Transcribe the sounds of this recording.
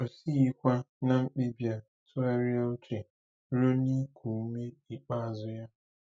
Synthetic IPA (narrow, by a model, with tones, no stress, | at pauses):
o˨si˦i˦kʷa˦na˦ŋ͡m̩˦k͡pi˦bja˦ | tʊ˦a˦ɾi˦a˦o˦t͡ʃe˨ | ɾo˦ni˦kʰʷu˨˦me˦i˨k͡pa˦a˨zʊ˦ja˦